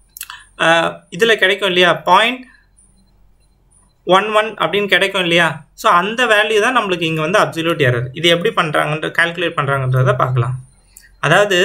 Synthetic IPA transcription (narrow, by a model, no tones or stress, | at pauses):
ɪðɪlɐkɪɽɛkːʊ̃ɪlːɐjaːpaːɪɳʈ | ʋɐnʋɐnɐ̰pːɐɽɪnːɯkɪɽɛkːʊ̃ɪlːɐjaːsoːɐnd̪ɐʋaːljɯt̪ãːnɐmːɐɭɯkːɯɪŋɡɐʋɐnd̪ɯɐb̚sɔljuːʈ̬eːɾɐðɯʔɪðɯɛp̬ːɐɽipɐɳːɾa̰ːŋɡɐɪndrɐkaːlkɯleːʈ̚pɐɳːɾaːŋɡɐɪndɾɐðɐt̪ãːpa̰ːɾkɐlã̰ː | ɐðaːʋɐðɯ